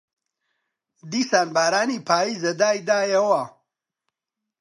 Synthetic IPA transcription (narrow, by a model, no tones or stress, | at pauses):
d̪iːsaːnbaːɾaːniːpʰaːjizɐd̪aːjd̪aːjɐwa